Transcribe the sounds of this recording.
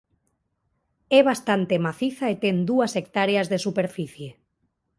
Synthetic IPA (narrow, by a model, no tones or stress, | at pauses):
ɛβast̪ant̪emaθiθaet̪end̪uasek̚t̪aɾeazðesupeɾfiθje